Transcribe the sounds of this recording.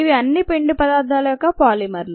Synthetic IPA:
iʋiɐnːipeɳɖupɐd̪aːɾd̪ʱaːlɐjɔkːɐpaːlimɐɾlu

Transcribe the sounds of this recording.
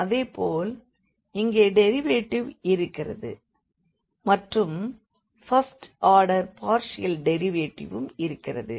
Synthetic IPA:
ɐðeːpoːl | ɪŋɡeːɖɛɾɪʋeːʈːɪʋɪɾɯkːɪrɐ̰ðɯ̰ | mɐʈrɯm | fɐsʈaːɾɽɐɾpaːɾʂɪjɐlɖɛɾɪʋeːʈːɪ̰ʋɯmɪɾɯkːɪrɐ̰ðɯ̰

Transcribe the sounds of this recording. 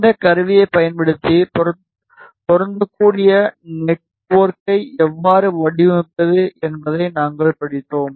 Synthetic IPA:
d̪ɐkɐɾɯʋɪjɐɪpɐjɐnpɐɽɯt̪ːip | pɔɾɐnd̪ɯkːuːɽɪjɐnɛʈ̚ | poːrkɐɪɛʋːaːɾɯʋɐɽɪʋɐɐðɯʔɛnbɐðɐɪnaːŋɡɐɭpɐɽɪt̪ːoːm

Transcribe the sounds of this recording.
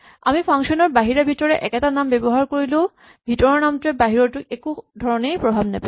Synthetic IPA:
a̰mipʰaŋʃɔnɔɹbaɦiɹabʱitɔɹɛʔɛ̰kɛtanambɛbɔɦaɹkoɹilʊ̃ | bʱitɔɹɔnamtʊɛbaɦiɹɔɹtʊʔekudʱɔɹɔnejpɹɔbʱabnapa

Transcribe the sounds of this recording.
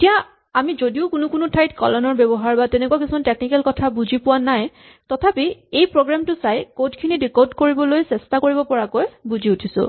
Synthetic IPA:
etija | amizodiʊkʊnʊkʊnʊtʰajtkɔ̰lɔnɔɹbɛbɔɦaɹbatɛnɛkuak̬isimanteknikɛlkɔtʰabuzipʊwanaj | tɔtʰapiejpɹoɡɹamtʊsajkotkʰinidikodkoɹibɔlojsɛstakoɹibɔpɔɹakojbuziutʰisʊ̰̃

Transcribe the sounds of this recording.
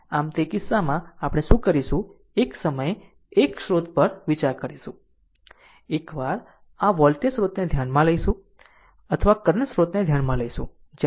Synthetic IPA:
amt̪ekisamãapɽ̃eʃũkəɾiʃũ | eksəməje | ekʃɾot̪pəɾʋit͡ʃaɾkəɾiʃũ | ekʋaɾ | ãʋɔlʈ̪esɾot̪ned̪ʱjanmãləjʃũ | ət̪ʰəʋakəɾəɳsɾot̪ned̪ʱjanmãləiʃũ | d͡ʒ

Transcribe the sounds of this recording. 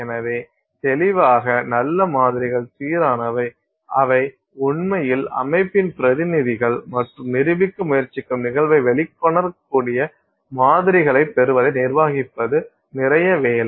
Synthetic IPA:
ɛnɐʋeː | t̪ɛlɪʋaːɣɐnɐlːɐmaːðɪɾɪɣɐɭsiːɾaːnɐʋɐɪ | ʔɐʋɐɪ | ʊɳmɐjɪlɐ̰mɐɪpːɪnpɪɾɐðɪnɪðɪɣɐɭmɐʈrɯmnɪɾɯʋɪkːɯmʊjɐɾt͡ʃɪkːɯmnɪɣɐɭʋɐɪʋɛɭɪkːɔɳɐɾkːuːɽɪjɐ | maːðɪɾɪɣɐɭɐɪp̪ːɛɾɯʋɐðɐɪnɪrʋaːɣɪpːɐðɯ | nɪɾɐjɐʋeːlɐ

